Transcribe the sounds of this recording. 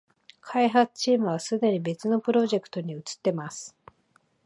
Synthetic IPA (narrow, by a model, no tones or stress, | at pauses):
kʰaiɦat͡sɨ̥t͡ɕiːmɯ̟β̞asɨd̪e̞ɲ̟ibe̞t͡sɨno̞pɯ̟ɾo̞ʑe̞kɯ̟̥t̪o̞ɲ̟iɯ̟t͡sɨ̥t̪ːe̞masɨ̥